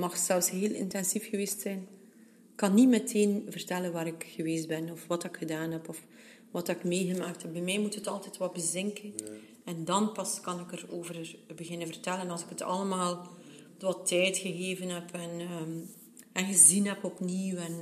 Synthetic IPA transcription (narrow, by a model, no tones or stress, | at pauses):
mɑxsɛlfsɦeːlʔɪ̰ntɛnzifxəʋeːstsɛjn | ɪkːɑnːimɛtʰeːnvərtɛlənʋaːɾɪkxəʋeːstbɛnɔfʋɑtɪkxədaːnɦɛpɔf | ʋɑtɪkmeːɣəmaːkthɛp̚bɛmɛjmutɦətɑlˠtɛtʋɛl̚bəzɪŋkən | ɛndɑnpɑskɑnɪkəroːvərbəɣɪnənvərtɛlənɑlzɪkətʰɑ̰ləmaːlˠ | tʋɑtʰɛjtxəɣeːvənɦɛpʰɛn | ɛnɣəzinɦɛpɔpniwɛn